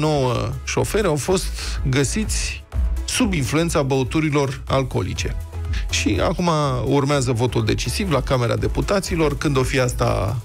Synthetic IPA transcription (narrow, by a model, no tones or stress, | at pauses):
no̞wəʃo̞fe̞ɾeawfo̞st̪ɡəsit̪sʲ | subinflue̞nt̪sabəut̪uɾilo̞ralko̞̰lḭt͡ʃe̞ | ʃia̰kumaurmeazəvo̞t̪uld̪e̞t͡ʃisivlakameɾa̰d̪e̞put̪at̪silo̞rkɨnd̪o̞fiast̪a̰